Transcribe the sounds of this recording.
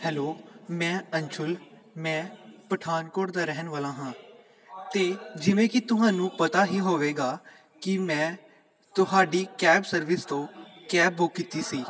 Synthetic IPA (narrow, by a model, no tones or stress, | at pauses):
hɛːloːmɛ̃ːəɲt͡ʃʰʊl | mɛ̃ːpəʈʰaːnkoːɾd̪aːɾɛɦənʋaːlãːɦãː | t̪eːd͡ʒɪʋẽːkɪt̪ʊɦãːnũːpət̪aːɦiːɦoːʋeːɡaː | kɪmɛ̃ː | t̪ʊɦaːɖiːkɛːbsəɾʋɪst̪õːkɛːboːkːɪt̪iːsiː